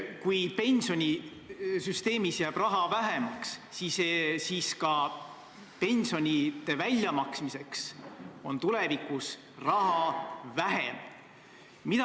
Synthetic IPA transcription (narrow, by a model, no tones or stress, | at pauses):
kujpe̞nʲso̞nʲi | syst̪e̞ːmisjæːb̥rɑɦɑvæɦe̞mɑkssisesiːskɑ | pe̞nʲsio̞nʲit̪ːe̞vælʲːjɑmɑksmise̞kso̞̰nt̪ule̞vikus | rɑhɑvæɦḛm | mit̪